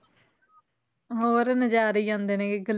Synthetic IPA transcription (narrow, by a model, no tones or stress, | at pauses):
ɦoːɾnəd͡ʒaːɾiːãːnd̪eːnẽːkeɡəl